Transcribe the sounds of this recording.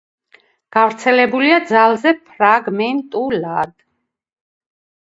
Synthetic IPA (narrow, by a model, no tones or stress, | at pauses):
ɡ̥avɾt̪sʰɛlɛbuliad̪zalˠzɛpʰɾaɡmɛnt̪ʼulad̪̥